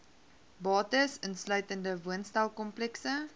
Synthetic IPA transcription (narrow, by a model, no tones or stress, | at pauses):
bɑːtəsənslœɥtəndəvuənstɛlˠkɔmplɛksə